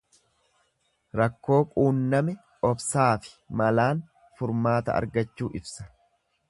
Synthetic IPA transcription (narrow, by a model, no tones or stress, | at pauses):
ɾɐkːo̞ːkʼuːnːɐmɛ | ɔbsaːfɪ̥mɐlaːn | fʊɾmaːt̪ɐ̰ɐ̰ɾɡɐt͡ʃːuːʔɪbsɐ̥